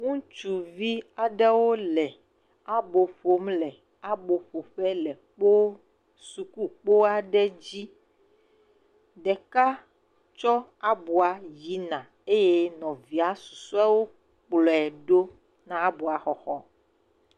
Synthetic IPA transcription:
ŋũ˦t͡ʃu˨vi˦a˨ɖɛ˦wo˦lɛ˨ | a˦bo˨ɸo˨mlɛ˨ | a˦bo˨ɸo˨ɸɛ˦lɛ˨k͡po˦ | su˨ku˦k͡po˦a˨ɖɛ˦d͡ʑi˦ | ɖɛ˨ka˦ | t͡ʃɔ˦a˦bu˨a˨ji˨˦nã˨ | e˦jɛ˦nɔ̃˨vi˨a˦su˨su˦a˦wo˦ | k͡plɔ˨ɛ˨ɖo˦ | nã˦a˦bu˨a˨xɔ˦xɔ˦

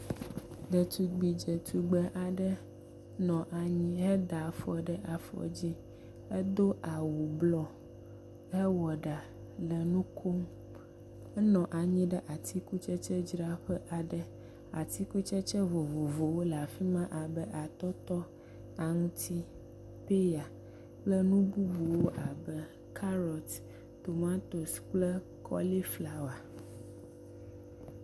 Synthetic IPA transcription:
d̪ə˨t̪u˨ɡ͡bi˨d͡ʒɛ˨t̪ʰu˨ɡ͡bə˦ʔa˨ɖə˦ | nɔ̃˨ʔa˨ɲĩ˦ɦɛ˦d̪a˨fɔ˨ɖə˦ʔa˨fɔ̰˨d͡ʑi˦ | ɛ˦d̪o˦ʔa˨wu˨blɔ˦ | ɦɛ˦wɔ˨ɖa˨ | lə˨nũ˦kʰo˦m | ɛ˦nɔ̃˨ʔa˨ɲĩ˦ɖə˦ʔa˨t̪i˦ku˦t͡ʃɛ˦t͡ʃɛ˦d͡ʒɾa˦ɸə˦ʔa˨ɖə˦ | a̰˨t̪i˦ku˦t͡ʃɛ˦t͡ʃɛ˦vo˨vo˨vo˨wo˦la˨fi˦mã˦ʔa˨bə˦ʔa˨t̪ɔ˦t̪ɔ˦ | a˨ŋũ˦t̪ʰi˦ | pe˦ja˨ | plə˦nũ˦bu˦bu˨wo˦ʔa˨bə˦ | kʰa˦ɾɔ˨t̪ | t̪o˨mã˦t̪o˨sk͡plə˦ | kʰɔ̰˦li˦fla˨wa˨

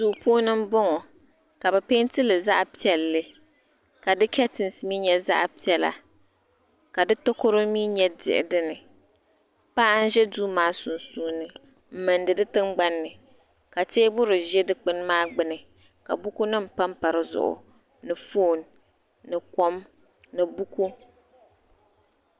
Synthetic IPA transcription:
suː˦˨puː˦nɨ˦m˦bɔ˦ŋɔ˨ | ka˨bɛ˨pe˦ntɨ˦lɨ˨za˦ʔpi˦ɛ˨lːɨ˦ | ka˨dɨ˦kɛ˦tɨ˨n˨sɨ˨miː˦ɲɛ˦za̰˦ʔpi˦ɛ˦la̰˨ | ka˨dɨ˦to˦ko˦ɾʊ˦miː˦ɲɛ˦dɪ̰˨ʔɪ̰˨dɨ˦nɨ˨ | pa˦ʔa˦n̩˦ʒɛ˦duː˦maː˦su˨nsuː˦nɨ˨ | m̩˦˨mɨ˨ndɨ˨dɨ˦tɨ˦ŋ͡mɡ͡ba˦nːɨ˨ | ka˨teː˦bʊ˦ɾɨ˨ʒɛ˦dɨ˦k͡pɨ˦n˦maː˦ɡ͡bɨ˦nɨ˨ | ka̰˨bu˦ku˦nɨ˦m̩˨pa˦mpa˨ɾɨ˦zʊ̰˨ʔʊ̰˨ | nɨ˨foː˦˨n | nɨ˨kɔ˦m | nɨ˨bu˦ku˦

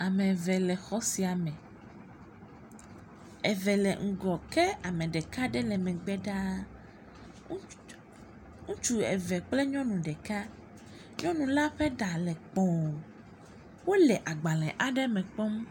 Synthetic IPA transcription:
a˨mɛ̃˨vɛ˨lɛ˨xɔ˦si˨a˨mɛ̃˨ | ɛ˨vɛ˨lɛ̰˨ŋ̩˨ɡɔ˨kɛ˦a˨mɛ̃˨ɖɛ˨ka˦ɖɛ˦lɛ˨mɛ̃˨ɡ͡bɛ˦ɖa˦ | ŋũ˦t͡ʃu˦ɛ̰˨vɛ˨k͡plɛ˦ɲɔ̃˦nũ˨ɖɛ˨ka˦ | ɲɔ̃˦nũ˨la˦ɸɛ˦ɖa˨lɛ˨k͡pɔ̃˨wo˨ | wo˦lɛ˨ʔa˨ɡ͡ba˨lɛ̃˨ʔa˦ɖɛ˦mɛ̃˨k͡pɔ˦m˦

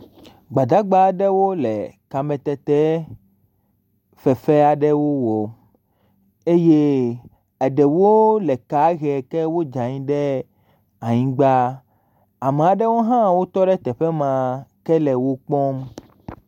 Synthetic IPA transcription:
ɡ͡ba˨d̪a˦ɡ͡ba˦ɖɛ˦wo˦lɛ̰˨ka˨mɛ̃˨t̪ɛ˨t̪ɛ˦ | fɛ˨fɛ˦a˨ɖɛ˦wo˦wɔ˨ | e˦je˦ | ɛ˨ɖɛ˨wo˦lɛ˨ka˨˦ɣɛ˨kɛ˦wo˦d͡ʒã˨ɲĩ˦ɖɛ˦ | a˨ɲĩ˦ɡ͡ba˦ | a˨me˨a˨ɖɛ˦wo˦ɦã˦wo˦t̪ɔ˦ɖɛ˦t̪ɛ˨ɸɛ˦mã˨kɛ˦lɛ˨wo˦k͡pɔ̃˦m

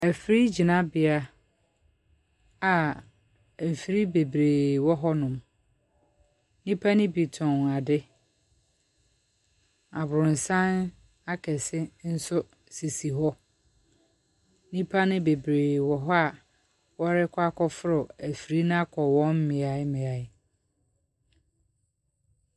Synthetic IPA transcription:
æ˨fɾi˦d͡ʑi˨nã˦bɪ˨a˦ | a˨ | m̩˨fi˨ɾi˦be˨bɾeː˨wɔ˦ɦɔ˦nʊ̃˨m | nĩ˦pʰa˦nɪ̃˦bi˨tʰɔ̃˨na˨dɪ˦ | a˨bʊ˨ɾʊ̃˨n̩˨sã˦n | a˦kʰɛ˨sɪ˦n̩˦sʊ˦ | si˨si˨ɦɔ˦ | nĩ˦pʰa˦nɪ̃˦be˨bɾeː˨wɔ˨ɦɔ˦a˨ | wɔ˦ɾɪ˦kʷʰa˦kʰɔ˦fʊ˦ɾʊ˨æ˨fi˨ɾi˦nã˦kʰɔ˨wɔ̃˦m˦mɪ̃˨a˨ɪ˦mɪ̃˨a˨ɪ˦

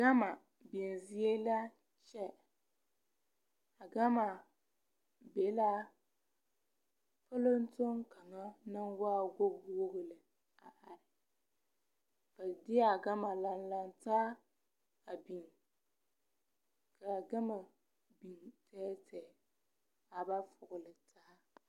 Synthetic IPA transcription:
ɡa˦ma˨ | bi˨n˨zi˦e˦la˦ | t͡ʃɛ˦ | a˨ɡa˦ma˨ | be˨˦la˦ | pa˦lo˦n̩˦to˦ŋka˨ŋa˦na˦nwaː˦ɡo˦ɡo˦ɣɨ˨lɨ˨ | a˨ʔa˨ɾɪ˨ | b̥a˨dɪ˦a˨ɡa˦ma˨la˨n˦la˦ntaː˦ | a˨bi˨ŋ | ka˨ɡa˦ma˨ | bi˨ŋtʰɛ˦tɛ˨ | a˨ba˦fʊ˨ɣʊ˨lɨ˨tʰa˦ha˦

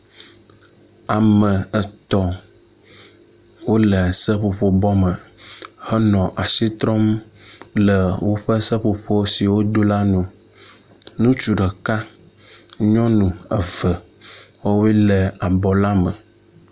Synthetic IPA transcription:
a˨mə̃˨ə˨t̪ɔ˦ | wo˦lə˨sə˦ɸo˨ɸo˦bɔ˦mə˨hə˦nɔ̃˨ʔa˨si˦t̪ɾɔ˦m | lə˨wo˦ɸə˦sə˦ɸo˨ɸo˦wo˦si˨wo˦d̪o˦la˦nũ˨ | nũ˦t͡ʃu˨ɖə˨ka˦ | ɲɔ̃˦nũ˨ə˨və˨ | wo˦we˦lə˨a˨bɔ˨la˦mə˨

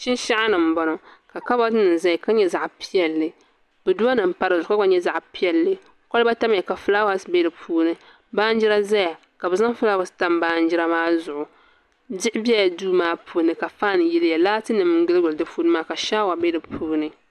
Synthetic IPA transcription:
ʃɪ˦n˦ʃa˦ʔa˦nɨ˨m̩˨bɔ˨nɔ˨ka˨ka˦ba˦dɨ˦nɨ˨n˨za˦jka˦ɲɛ˦za˨ʔpi˦ɛ˨lːɨ˨ | bɛ˨du˦a˦nɨ˨m̩˦pa˦ɾɨ˨zʊ˨˦ka˦ba˦ɲɛ˦za˨ʔpi˦ɛ˨˦lːɨ˨ | kɔ˦lba˦ta˦mja˨ka˨fɨ˦la˦wa˦sbe˦dɨ˨pʰuː˦nɨ˨ | baː˦n˦d͡ʒi˦ɾa˦za˦ja˨ | ka˨bɨ˨za˦ŋ˦fɨ˦la˦wa˨sta˦mbaː˦n˦d͡ʒɪ˦a˦maː˦zʊ˨ʔʊ˨ | dɪ˦ʔɪ˦bjɛ˦ja˨duː˦maː˦pʰuː˦nɨ˨ka˨faː˦n˨jɛ˦lja˨laː˦tɨ˦nɨ˨m˦ɡɨ˦lɡʊ˨ldɨ˦fu˦nɨ˦maː˦ka˨ʃa˦wa˨be˦dɨ˨pʰuː˦nɨ˦

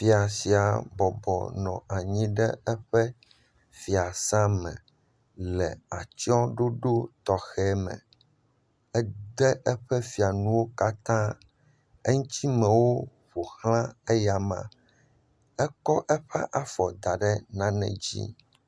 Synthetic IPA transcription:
fi˨a˨si˨a˨bɔ˨bɔ̰˨nɔ̰̃˨ʔa˨ɲĩ˦ɖɛ˦ɛ˦ɸɛ˦ | fi˨a˨sã˦mɛ̰̃˨ | lɛ˨a˨t͡ɕɔ̃˦ɖo˦ɖo˦t̪ɔ˨xɛ˦mɛ̰̃˨ | ɛ˦d̪ɛ˦ʔɛ˦ɸɛ˦fi˨a˨nũ˦wo˦ka˦t̪ã˦ | ɛ˦ŋũ˦t̪i˦mɛ̃˨wo˦ | ɸo˨hlã˦ɛ˦ja˨mã̰˨ | ɛ˦kɔ˦ʔɛ˦ɸɛ˦ʔa˨fɔ˨d̪a˨ɖɛ˦nã˦nɛ̰̃˨d͡ʑḭ˦

